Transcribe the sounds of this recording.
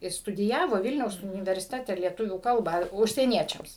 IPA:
ɪ stʊdʲɪˈjæːʋoː ˈʋʲɪlʲnʲɛʊs ʊnʲɪʋʲɛrʲsʲɪˈtʲæːtʲɛ lʲiɛˈtʊʋʲuː ˈkɐlˠbɑː ʊʃʲsʲiɛˈnʲiɛt͡ʃʲɛms

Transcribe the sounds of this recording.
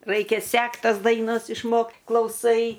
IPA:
ˈrɐɪkʲɛ ˈsʲɛkt ˈtɐs dɐɪˈnɐs ɪʃˈmoːkt klˠɐʊˈsɐɪ

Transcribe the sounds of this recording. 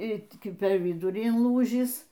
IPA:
iː pʲɛr ʋʲɪˈdʊrʲiː ɪnˈlˠuːʒʲiːs

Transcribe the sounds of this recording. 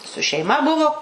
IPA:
sʊ ʃʲɛɪˈmɐ ˈbʊʋoː

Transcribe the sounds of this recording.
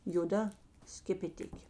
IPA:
joːˈdɐ sʲkʲɛpʲɛˈtʲɪkʲeː

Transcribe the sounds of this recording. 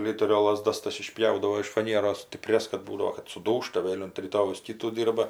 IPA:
ˈlʲɪtʲɛrʲoː lˠɐˈzdɐs ˈtɐs ɪˈʃʲpʲjɛʊdɐʋoː ɪʃ fɐˈnʲiɛroːs sʲtʲɪˈpʲrʲɛs kɐt ˈbuːdɐʋoː kɐt sʊˈduːʃtɐ ˈʋʲeːlʲ ʊnt rʲiːˈtoːjɛʊs ˈkʲɪtuː ˈdʲiːrbɐ

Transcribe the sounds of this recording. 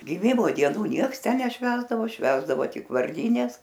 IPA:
ɡʲɪˈmʲɪmoː dʲiɛˈnuː ˈnʲiɛks ˈtʲɛn nʲɛˈʃʲʋʲæːzdɐʋoː ˈʃʲʋʲæːzdɐʋoː ˈtʲɪk ʋɐrʲˈdʲiːnʲɛs

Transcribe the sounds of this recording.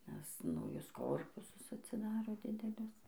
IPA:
nʲɛs nɐʊˈjʊs ˈkoːrpʊsʊs ɐtʲsʲɪˈdɑːroː ˈdʲɪdʲɛlʲʊs

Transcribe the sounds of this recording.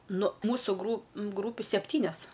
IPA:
nʊ ˈmuːsʊ ɡrʊ ˈɡruːpʲʊ sʲɛˈpʲtʲiːnʲɛs

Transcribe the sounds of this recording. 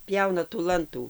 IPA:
ˈpʲjɛʊnɐ tuː ˈlˠɐntuː

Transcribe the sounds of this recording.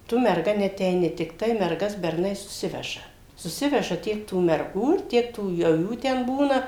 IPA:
ˈtʊ mʲɛrˈɡɐ nʲɛɐtʲɛɪˈnʲɪ tʲɪkˈtɐɪ mʲɛrˈɡɐs bʲɛrˈnɐɪ sʊˈsʲɪʋʲɛʒɐ sʊˈsʲɪʋʲɛʒɐ ˈtʲiɛk tuː mʲɛrˈɡuː ɪr ˈtʲiɛk tuː jɛʊ ˈjuː tʲɛn ˈbuːnɐ

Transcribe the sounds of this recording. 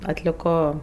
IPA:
ɐtʲlʲɪˈkoː

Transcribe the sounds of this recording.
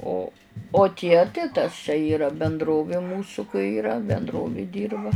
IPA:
ˈoː oː ˈtʲiɛ tɐɪ tɐs t͡ʃʲɛ ˈiːrɐ bʲɛnˈdroːʋʲeː ˈmuːsʊ kɐɪ iːˈrɐ bʲɛnˈdroːʋʲeːˈdʲiːrbɐ

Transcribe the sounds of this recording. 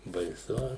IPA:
bɐɪˈsʊ

